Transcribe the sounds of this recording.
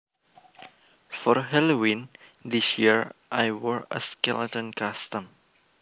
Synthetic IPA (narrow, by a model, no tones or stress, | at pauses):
fɔɾɦɛlowĩnd̪isjiəɹʔajwəɹə̰skɛlətə̃nkast̪ə̃m